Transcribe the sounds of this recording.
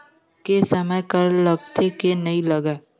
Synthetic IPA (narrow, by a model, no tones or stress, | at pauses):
kesəməjkəɾləɡt̪ʰekenɐɦĩləɡɛː